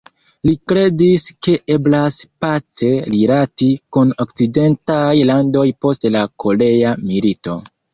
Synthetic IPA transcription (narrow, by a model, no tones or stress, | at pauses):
likɾe̞diske̞ʔe̞blaspat͡se̞liɾatikunok̚t͡side̞ntajlando̞jpo̞stlakʰo̞le̞amilito̞